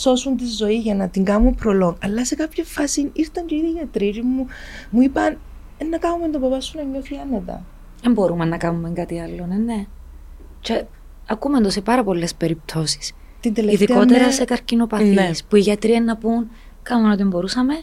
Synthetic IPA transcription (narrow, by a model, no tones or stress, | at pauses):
so̞sunt̪izːo̞iʝɐnɐt̪iŋɡɐmumpɾolo̞ŋɐlːɐse̞kɐpçefɐsinist̪oɲɟeiðiːʝɐt̪ɾiɾimumuipɐn | enːɐkɐnumend̪opɐpɐsːunɐɲːoθiɐnːet̪ɐ̰ | embo̞ɾumenːɐkɐnumːeŋɡat̪iɐlːonenːe | t͡ʃe | ɐkumend̪o̞sepɐɾɐpo̞lːe̞spe̞ɾip̚t̪ʰo̞si̥s | t̪ind̪eleiðikot̪eɾɐse̞kɐɾcino̞pɐθnːispuiʝɐt̪ɾienːɐpun | kɐmenot̪imbo̞ɾusɐme̞